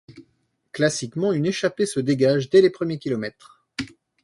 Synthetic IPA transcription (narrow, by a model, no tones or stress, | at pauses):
klasikmɑ̃yneʃapesəd̪eɡaʒd̪ɛlepχəmjekʲilɔmɛt̪χ